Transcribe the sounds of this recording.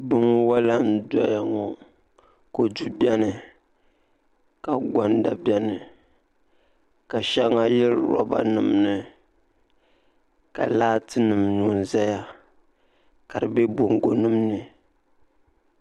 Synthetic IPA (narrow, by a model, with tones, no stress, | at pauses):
bɨ˦ŋ˦wa˦la˦n̩˦dɔ˦ja˨ŋɔ˨ | ko˨d͡ʒu˦bɛ˦nɨ˨ | ka˨ɡa˨n˦da˨bjɛ˦nɨ˨ | ka˨ʃa˦ŋa˦jɛ˦lɾɔ̰˦ba̰˦nɨ˨mnɨ˨ | ka̰˨laː˦tɨ˦nɨ˨mnu˨n̩˨za˦ja˦ | ka˨ɾɨ˨bɛ˦bo˨ŋ˨ɡo˨nɨ˦mnɨ˨